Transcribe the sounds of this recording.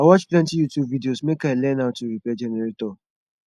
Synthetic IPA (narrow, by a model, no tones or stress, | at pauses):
awɔt͡ʃplɛ̃n̩tijutjubvidiosmekaelɛnaʊtuɾipɛd͡ʒɛnɛɾetɔ